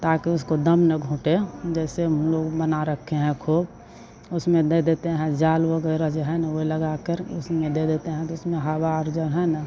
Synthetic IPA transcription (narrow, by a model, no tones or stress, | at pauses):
t̪aːkiʊskod̪əmnəɡʱũːʈed͡ʒɛːsemloːɡbənaɾəkʰːeɦɛ̃kʰoːb | ʊsmẽd̪ed̪eːt̪eɦɛ̃d͡ʒaːlbəɡɛːɾad͡ʒoɦɛnəoləɡakəɾʊsmẽd̪ed̪eːt̪eɦɛ̃t̪oʊsmẽɦabaəɾd͡ʒənɦɛ̃nə